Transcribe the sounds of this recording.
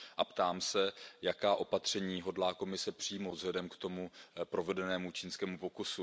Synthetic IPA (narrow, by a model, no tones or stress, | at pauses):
ʔapt̪aːmsɛjakaːʔo̞pat̪r̝̥ɛɲiːɦo̞dlaːko̞mɪsɛpr̥iːmovzɦlɛdɛmkt̪o̞mupɾo̞vɛdɛnɛːmut͡ʃiːnskɛːmupo̞kusu